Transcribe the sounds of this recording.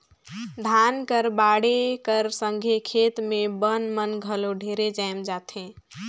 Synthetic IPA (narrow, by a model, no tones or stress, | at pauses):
d̪ʱaːnkəɾbaːɽekəɾsə̃ŋɡʱekʰeːt̪mẽbənmənɡʱəloɖʱeɾed͡ʒajmd͡ʒaːt̪ɦẽː